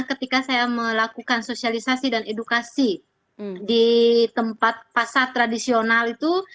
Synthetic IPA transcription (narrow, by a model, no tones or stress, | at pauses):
kət̪ikasajaməlakukansosialisasidanedukasi | dit̪əmpat̪̚pasart̪ɾadisionalit̪u